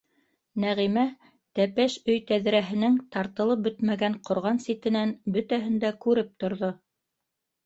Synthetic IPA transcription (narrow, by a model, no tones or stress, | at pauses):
næʁimæ | t̪æpæʃɵjt̪æðɾæɦɘ̆nɘŋt̪ɑɾt̪ɤ̆lˠɤp̚bɵt̪mæɡæɴqŏɾʁɑnsit̪ɘ̆nænbɵt̪æɦɘnd̪ækʉɾɘp̚t̪ŏɾðo